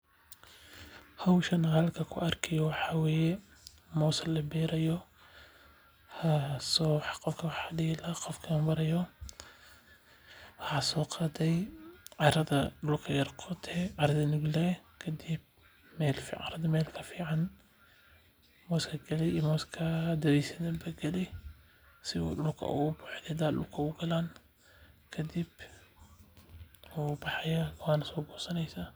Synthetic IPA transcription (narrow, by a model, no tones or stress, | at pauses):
hɐwʃɐnɐɦɐlkʰɐkʰʊɐrkʰɛjɔwɑħɑwɛːjɛ | mɔːsɐlɐbɛːɾɐjɔ | hɐsɔːħɑqɔfkʰɐwɑħdilɐqɔfkʰɐbɐɾɐjɔ | wɑħɑːsɔːqɑːd̪ɛjʕɑɾɐðɐlʊkʰɐjɐrqʰɔt̪ʰɛʕɑɾɐðɐnʊɡlɛkʰɐd̪ib̚ | mɛːlfiʕa̰ɾɐðɐmɛːlkʰɐfiːʕan | mɔːskʰɐɡɐlɛjimɔːskʰɐd̪ɐβisɐd̪ɐmbɐɡɐlɛ | sɪwɔ̰ʔʊlʊkʰɐ̰ʔʊ̰wʊbʊħd̪ɛd̪aːlʊlkʰɐʊɡɐlan | kʰɐd̪ib | ɔbɑħajɐwaːnɐsɔːɡɔːsɐnɛjsa